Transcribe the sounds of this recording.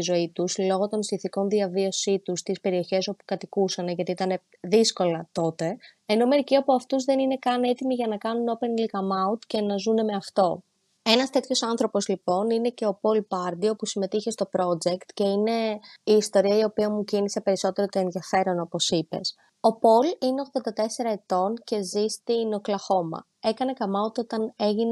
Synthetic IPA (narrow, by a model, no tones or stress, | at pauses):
izo̞it̪uslo̞ɣo̞t̪o̞nsiθiko̞nðiɐvio̞sit̪ust̪ispe̞ɾio̞çe̞so̞pu̥kɐt̪ikusɐneʝɐt̪iit̪ɐne̞ | ðisko̞lɐt̪o̞t̪e̞ː | no̞me̞ɾiciɐpoɐft̪uzðe̞nine̞kɐne̞t̪imiʝɐnɐkɐnuno̞pe̞nlikɐmɐut̪ce̞nɐzune̞me̞ɐft̪o̞ | e̞nɐst̪e̞t̪ço̞sɐnθɾo̞po̞zlipo̞nine̞ce̞o̞po̞lpɐɾd̪io̞pusime̞t̪içe̞st̪o̞pɾo̞d͡ʒe̞kt̪ce̞ine̞iːst̪o̞ɾiɐio̞piɐmucinise̞pe̞ɾiso̞t̪e̞ɾot̪oe̞nðiɐfe̞ɾo̞no̞po̞sipe̞̰s | o̞po̞line̞oɣðo̞nd̪ɐt̪e̞se̞ɾɐet̪o̞nce̞zist̪inoklɐxo̞mɐ̰ | e̞kɐne̞kɐmɐut̪o̞t̪ɐne̞ʝine